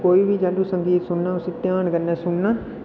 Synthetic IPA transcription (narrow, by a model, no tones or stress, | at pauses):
koːibʱid͡ʒaːlusə̃ŋɡiːt̪sʊnnaːʊsit̪jaːnkəɾnaːsʊnnaː